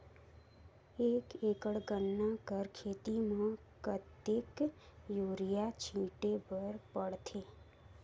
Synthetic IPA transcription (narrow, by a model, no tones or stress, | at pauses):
ekekəɽɡənːakəɾkʰeːt̪imã | kət̪ːekjuɾijat͡ʃʰĩʈebəɾpəɽt̪ʰe